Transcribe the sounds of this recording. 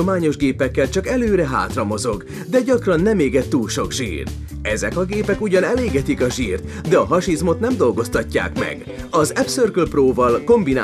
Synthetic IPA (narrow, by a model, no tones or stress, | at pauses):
omaːɲo̞ʒɡeːpɛkːɛlt͡ʃɒkɛløːɾɛɦa̰ːt̪rɒmo̞zo̞ɡ | d̪ɛɟɒkrɒnːɛmeːɡɛt̪ːuːlʃo̞ɡʒḭːr | ɛzɛkɒɡeːpɛkuɟɒnɛleːɡɛt̪ikɒʒiːrt̪ | d̪ɛɒɦɒʃizmo̞t̪nɛmd̪o̞lɡo̞st̪ɒcːa̰ːkmɛ̰ɡ | ɒzɛpsørklproːvɒlko̞mbina